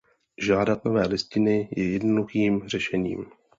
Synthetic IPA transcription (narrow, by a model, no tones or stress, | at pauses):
ʒaːdat̪no̞vɛːlɪscɪnɪjɛjɛdnoduxiːmr̥ɛʃɛɲḭːm